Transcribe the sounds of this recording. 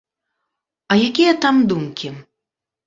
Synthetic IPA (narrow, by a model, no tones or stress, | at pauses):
ɐjakʲijɐt̪amd̪umkʲi